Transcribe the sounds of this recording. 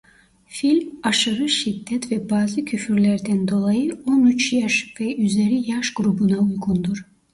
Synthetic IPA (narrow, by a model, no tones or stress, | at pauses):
filʲmaʃɯɾɯʃid̪ːɛt̪vɛbaːzɯcʰyfyɾlʲæɾd̪ænd̪o̞lˠajɯo̞nyt͡ʃjaʃvɛʔyze̞ɾijaʃɡ̥ɾubunaujɡund̪uɾ